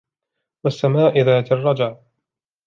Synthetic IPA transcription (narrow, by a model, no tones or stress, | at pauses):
wasːamaːʔɪðaːt̪ɪrˤːɑd͡ʒaʕ